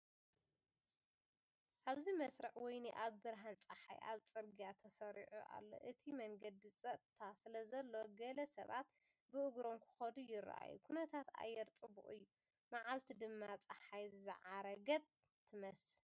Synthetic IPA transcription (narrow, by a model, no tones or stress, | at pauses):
ʔaβzimɐsɾɨħwɔjnḭʔaβbɨɾɦant͡sʼɐħa̰jʔa̰βt͡sʼɨɾɡijat̪ʰɐsɐɾiʕṵʔa̰lːo̰ʔɨt̪ʰimɐŋɡɐd̪it͡sʼɐt̪ʰasɨlɐzɐlːo̞ɡɐlɐsɐ̰βat̪ | bɨʔɨɡɾo̞mkʰɨ̥xɐd̪ujɪra̰ʔa̰jṵkʰunɐt̪ʰat̪a̰jːɛɾt͡sʼɨbṵʔɨjːu | maʕalt̪ʰid̪ɨmːat͡sʼaħajzzɨ̰ʕaɾɐɡɐt | t̪ʰːɨmɐs